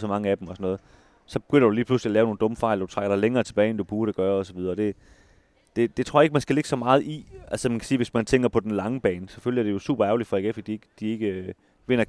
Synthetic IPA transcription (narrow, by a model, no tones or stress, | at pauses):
sɒ̽mɑ̈ŋəæd̥emɒ̽sɒnɔ̽ːð̞̩ˠ | sɒ̽b̥eɡ̥ønɐd̥uliːpʰlusliælɛːʊno̝ːn̩dɔ̽mfɑ̈ɪlɒd̥u̥t͡sʰʁɑ̈ɡ̥ɐɾɑ̈leŋɐːt͡sʰe̝b̥ɛːɪendub̥uːɐɾeɡ̥ɶːɐɒ̽sɒ̽ʋið̞ˠɐːd̥e̝ | d̥e̝d̥e̝t͡sʰʁo̝ɐeɡ̥əmænsɡ̥æle̝ɡ̥əsɒ̽mɑ̈ːð̞̩ˠʔiʔælsəmænkʰæ̥siːʋe̝smænt͡sʰeŋ̰ɡ̥ɐpʰɒ̽d̥enlɑ̈ŋəb̥ɛːnsɒ̽føljæɐd̥e̝jo̝sṵːb̥ɐæɐʊlid̥fɒeɡ̥efid̥ieɡ̥əd̥ie̝ɡ̥ə | ʋe̝n̰ɐ